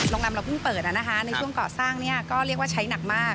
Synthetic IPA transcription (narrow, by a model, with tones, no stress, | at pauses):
lo˧ŋla˧mɾa˧wpʰɯ˥˩ŋpɤː˨˩t̪̚ʔa˨˧˩na˦˥kʰa˦˥na˧jt͡ɕʰu˥˩əŋkɔː˨˩saː˥˩ŋni˥˩ɐkɔː˥˩ɾi˥˩ək̚waː˥˩t͡ɕʰa˦˥jna˨˩k̚maː˥˩k̚